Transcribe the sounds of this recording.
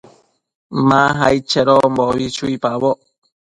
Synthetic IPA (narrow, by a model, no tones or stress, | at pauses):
mãɦajt͡ʃeɾomboβit͡ʃuipaβoʔ